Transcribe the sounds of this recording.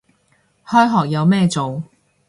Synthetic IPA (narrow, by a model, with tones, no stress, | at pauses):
hɔː˥jɦɔː˨k̚jɐ˨˧wmɛː˥t͡so˨w